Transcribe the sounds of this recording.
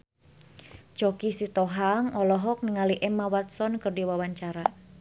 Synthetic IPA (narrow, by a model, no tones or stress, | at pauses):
t͡ʃɔkisit̪ɔɦaŋɔlɔɦɔk̚niŋaliʔɛmawat̪sɔnkɨrdiwawaɲt͡ʃaɾa